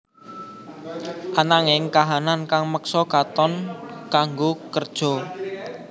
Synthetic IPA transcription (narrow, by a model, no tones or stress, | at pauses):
ʔanaŋɪŋkaɦanankaŋməksɔkat̪ɔnkaŋɡokərd̥ʒ̥ɔ̤